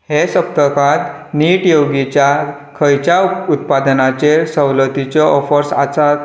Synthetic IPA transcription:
hesəp̚t̪əkãt̪ | niːʈjoɡit͡ɕja | kʰəjt͡ɕaut̪̚pad̪nat͡ɕesəwlət̪it͡ɕɔɔfəɾsa̰t͡sa

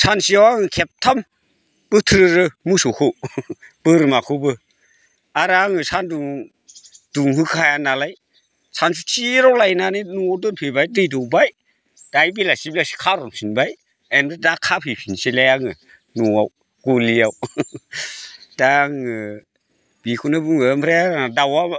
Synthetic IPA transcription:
sʰansijawaŋɯkʰep̚tʰam | b̥ɯtʰɾɯɾɯmusokʰob̥ɯɾɯmakʰɯbɯ | aɾaŋɯsʰanduŋ | d̥uŋhɯkʰajanalaj | sʰans̬ɯtʰiɾɔwlajnanɯnuawdɯnpʰebajdɯjdɔwbaj | d̥ajbilasiblasi̥kʰaɾɔŋsinbaj | enɯdakʰːapʰhɯpʰinselajaŋɯ | nuaw | ɡ̥olijaw | d̥aŋɯ | b̥ikʰunabɯŋɯmpʰɾajaadawa

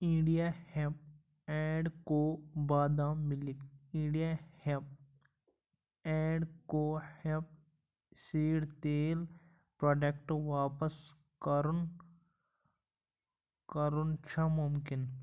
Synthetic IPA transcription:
ɪ̃ɖijahep̚ | ɛ̃ːɖkobaːd̪aːmːɪlɪkɪ̃ɖijahep̚ | ɛ̃ːɖkoːhep̚ | siːɽt̪eːl | pɾoːɖek̚ʈʋaːpəs | kəɾʊn | kəɾunt͡ʃʰamʊmkɪn

